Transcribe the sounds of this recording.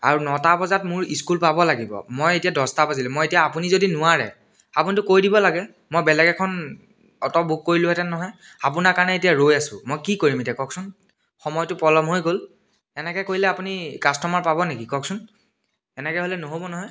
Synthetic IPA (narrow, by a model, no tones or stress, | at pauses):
a̰ɹunɔtapɔzatmʊɹiskulpabɔlaɡibɔ̰mojetijadɔstapazilʊ̃mojetijaːpunizodinʊwaɹɛ̰ | apunitʊkojdibɔlaɡɛ | mojbɛlɛɡɛkʰɔn | ɔtɔbʱuk̚koɹilʊɦɛtɛnɔɦɔj | apunakaɹnɛetijaɹojasʊmojkikoɹimetɛkɔksʊn | xɔmɔjtʊpɔlɔmɦojɡol | ɛnɛkɛkoɹilɛapunikastɔmaɹpabɔnekikɔksʊn | ɛnɛkɛɦolɛnoɦobɔnɔɦɔj